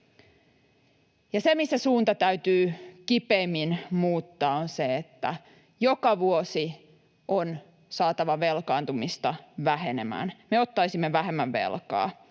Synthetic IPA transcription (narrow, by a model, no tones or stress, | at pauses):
jɑsemisːæsuːnt̪ɑt̪æyt̪yːkipeimːinmuːt̪ːɑːonseet̪ːæ̰ | jokɑʋuosi | ʔon | sɑːt̪ɑʋɑʋelkɑːnt̪umist̪ɑʋæhe̞nemæ̰ːnmeot̪ːɑisimːeʋæɦemːæʋʋḛlkɑ̰ː